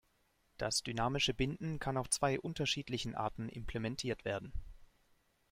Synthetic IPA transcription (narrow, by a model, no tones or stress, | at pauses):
d̥asd̥ynaːmɪʃəbɪndn̩kʰanaʊft͡sv̥aɪʔʊntɐʃiːtlɪçn̩ʔa̰ːɐtn̩ʔɪ̰mpʰl̥emɛntʰiːɐtv̥eːɐdn̩